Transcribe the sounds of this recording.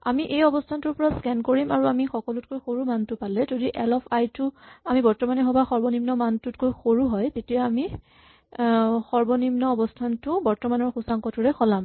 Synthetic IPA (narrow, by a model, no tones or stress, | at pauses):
amiʔejɔbɔstʰantʊɹpɔɹaskɛnkoɹimaɹuamixɔkɔlʊtkojxoɹumantʊpalɛzodiʔɛlɔpʰajtʊamibɔɹtɔmanɛɦɔbaxɔɹbɔnimnɔmantutkojxoɹuɦɔjtetijaːmi | xɔɹbɔnimnɔːbɔstʰantʊbɔɹtɔmanɔɹxusaŋkɔtuɹɛxɔlam